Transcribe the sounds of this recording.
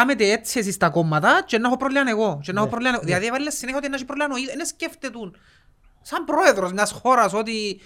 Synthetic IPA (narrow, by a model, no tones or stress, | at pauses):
amet̪̬eet͡sːies̬ist̪ɐkomːat̪at͡ʃenːaxopɾolianeɣot͡ʃenːaxopɾolʲaneɣoðiaðievalilːesːineçijot̪ienːaʃipɾolanoienesceft̪et̪un | sambɾoeðɾozmɲasxoɾɐsot̪i